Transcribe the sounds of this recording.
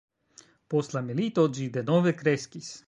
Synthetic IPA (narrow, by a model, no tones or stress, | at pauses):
poslamɛlit̪od͡ʒid̪ɛnovɛkɾeskis